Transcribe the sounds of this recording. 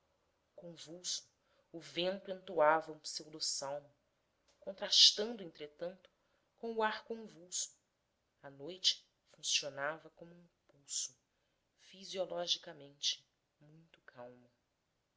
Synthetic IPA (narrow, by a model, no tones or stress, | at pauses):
kõvuwsʊ̥ː | vẽnt̪ʊẽnt̪oavɐũsewd̪osawmʊ | kõnt̪ɾaʃt̪ɐ̃nd̪ʊẽnt̪ɾet̪ɐ̃nt̪ʊ̥ | kõw̃ʊaɾkõvuwsʊ̥ | ɐnojt͡ʃɪ̥ | fũsionavɐkõmʊũpuwsʊ | fiziolɔʒikɐmẽnt͡ʃɪ̥ | mũj̃t̪ʊ̥kʰawmɐ